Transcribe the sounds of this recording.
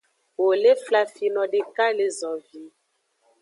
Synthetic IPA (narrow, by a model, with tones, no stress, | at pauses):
wo˨le˦fla˨fi˨nɔ̃˨ɖe˨ka˦le˨zɔ˨vi˨˦